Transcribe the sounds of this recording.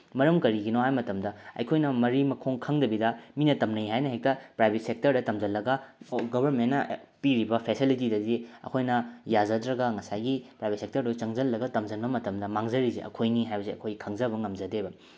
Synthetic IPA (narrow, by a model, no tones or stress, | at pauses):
mɐɾɐmkɐɾiɡinoɦajmɐtɐmdɐɐ̰jkʰojnɐmɐɾimɐkʰoŋkʰɐŋdɐbidɐminɐtɐmnɐjɦajnɐɦek̚tɐpɾajbʱet̚sek̚tɐɾdɐtɐmd͡ʒɐlːɐɡɐɡobʱɐɾmennːɐpiɾibɐpʰesilitidɐdiɐ̰kʰojnɐjazɐdɾɐɡɐŋɐsajɡipɾajbet̚sek̚tɐɾdojt͡ʃɐŋzɐlːɐɡɐtɐmd͡ʒɐnbɐmɐtɐmdɐmaŋzɐɾiziʔɐ̰kʰojniɦajbɐseɐkʰojikʰɐŋzɐbɐŋɐmd͡ʒɐdebɐ